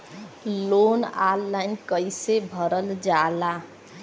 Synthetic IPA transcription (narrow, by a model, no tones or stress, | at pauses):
lonalːajnkʌjsebʱʌɾʌld͡zala